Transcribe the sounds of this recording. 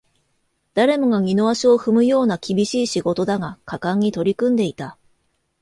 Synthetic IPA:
d̪̥aɾe̞mo̞ɡaɡʲino̞aɕio̞ɸɯ̟mɯ̟jo̞ːnakʲibʲiɕiːɕiɡo̞t̪o̞d̪aŋakakãɲ̟ːit̪o̞ɾʲikɯ̟̃nd̪e̞it̪a

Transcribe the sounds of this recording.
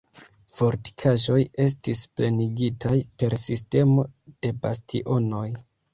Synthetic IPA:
fo̞ɾti̥kʰaʒo̞je̞s̬tispleniɡitʰajpe̞ɾsiste̞mo̞d̥e̞bastḭʔo̞no̞j

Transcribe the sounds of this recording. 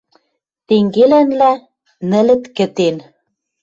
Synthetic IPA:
t̪eŋɡelænlæ | nɘ̆lɘ̆t̪kɘ̆t̪en

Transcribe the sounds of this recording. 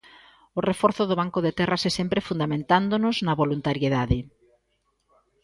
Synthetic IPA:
ʊrefɔɾθʊðʊβ̞aŋkʊðet̪ɛrʔasɛsɛmpɾefund̪amẽnt̪and̪onʊznɐβolunt̪aɾjeðaðɪ

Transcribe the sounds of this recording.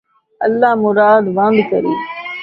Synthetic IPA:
ɐlːaːmʊɾaːd̪ʋãːnd̪kəɾḭː

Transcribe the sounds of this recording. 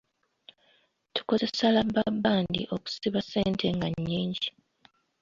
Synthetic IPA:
tu̥ko̞ze̞salabːabːaːndḭʔo̞ku̥siβaseːntʰe̞ŋɡaɲːiːɲɟi

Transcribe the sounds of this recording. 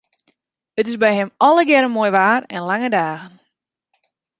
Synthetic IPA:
ətɪsbɛjɦɛmɔləɡɛɾəmojʋaːrɛnlaŋədaːɣən

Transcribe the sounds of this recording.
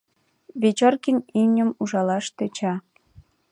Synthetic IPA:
βʲet͡ɕorkinʲimnʲəmuʒɑlɑʃt̪et͡ɕɑ

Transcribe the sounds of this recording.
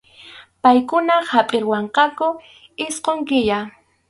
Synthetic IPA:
pajkʊnahapʼɪɾwɑɴqɑkʊ | ɪsqoŋkɪja

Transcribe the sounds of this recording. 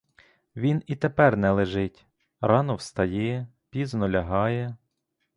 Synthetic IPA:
ʋʲinit̪epɛrnɛlˠeʒɪtʲ | ɾɑnɔwst̪ɐjɛ | pʲiznɔlʲɐɦɑjɛ

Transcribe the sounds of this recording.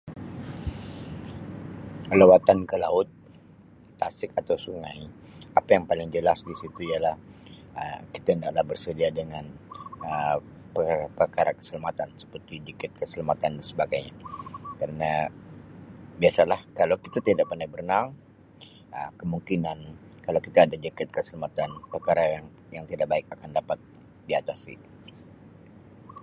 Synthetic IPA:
lewat̪ankəlaʊt̪̚ː | asɪkat̪awsuŋaj | apajaŋpalɪŋd͡ʒəlasdisit̪uijalah | əki̥t̪aindaʔlahbərsədiadəŋanə | pəapərkaɾakə̥səlamat̪ansə̥pərt̪idikɪt̪̚kəsəlamat̪andasəbaɡajɲakaɾəna | biasalahkalawkit̪at̪idaʔ̚parnajbərnaŋ | əkəmuŋkinankalawkit̪aːdad͡ʒəkɪt̪̚kəsəlamat̪anpərkaɾajŋ | jaŋt̪idak̚baɪk̚akandapat̪̚ | diat̪asḭ

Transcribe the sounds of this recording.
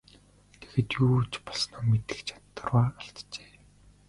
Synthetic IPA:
t̪ʰeɣeːt̪juːt͡ɕpɔ̥ɮsnɔːmet̪ɘ̥̆xt͡ɕʰḁt̪ːə̆rʁaːaɬt̪t͡ɕe̥ː

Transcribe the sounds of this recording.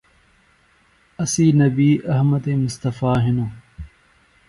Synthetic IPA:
ɐsiːnɐbiːʔɐɦməd̪eːmʊst̪ɐfaːɦɪnoː

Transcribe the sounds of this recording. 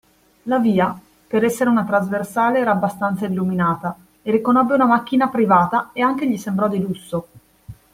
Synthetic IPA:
laviːa | peɾɛsːeɾeunat̪ɾazversaːleɛːɾaːbːast̪ant̪sailːuminaːt̪a | erikonɔbːeunamak̟ːinapɾivaːt̪aeaŋk̟eʎisembɾɔd̪ilusːo

